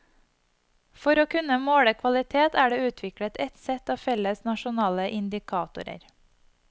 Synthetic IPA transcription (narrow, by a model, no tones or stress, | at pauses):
fɔɾoːkʰʉnəmoːɽəkʰʋɑlɪt̪ʰeːt̪æːɖeːʉːt̪ʰʋɪkɽət̪ɛt̪sɛt̪ɑːfɛləsnɑʃʊnɑːləʔɪnd̪ɪkʰɑːt̪ʊ̰ɾə̰ɾ